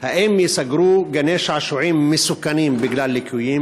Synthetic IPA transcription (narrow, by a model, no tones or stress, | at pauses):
haʔeːmjɪsaɡɾuːɡaneːʃʕaʃuʕiːmːɪsukːaniːmbɪɡlaːlːikʰujiːm